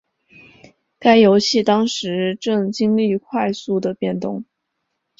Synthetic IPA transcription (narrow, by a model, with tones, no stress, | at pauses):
ka˥ɪjo˧˥ʊɕi˥˩t̪ɑ˥ŋʂɻ̩˧˥ʈ͡ʂɤ˥˩ŋt͡ɕi˥ŋli˥˩kʰwa˥˧ɪsu˥˩d̪ə˩pjɛ˥˧nt̪ʊ˥˩ŋ